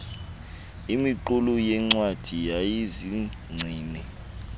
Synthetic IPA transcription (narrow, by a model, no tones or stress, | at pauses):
imiǃulujɛŋ͡ǀwad̥ʱijajizi | ŋ͡ǀʱiːnɛ